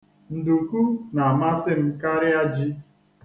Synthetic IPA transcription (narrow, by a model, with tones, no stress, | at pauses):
n̩˨du˨ku˦na˨ma˦sɪ˦m̩˦ka˦ɾɪ˦a˦d͡ʒi˦